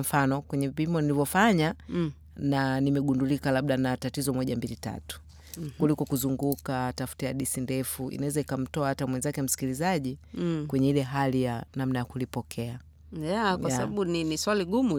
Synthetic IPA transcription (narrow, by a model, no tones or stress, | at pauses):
m̩fanɔkwɛɲɛvimɔnilivɔfaɲa | nanimɛɡundulikalaɓ̚ɗanatatizɔmɔʄambilita̰tu̥ | kulikɔkuzuŋɡukatafu̥tajaɗisindɛfuʔḭnawɛzaikam̩tɔahatamwɛnzakɛm̩si̥kilizaʄikwɛɲɛilɛɦalijanamnajakulipɔkʰɛa | jakwaaaɓaɓuniniswaliɡumu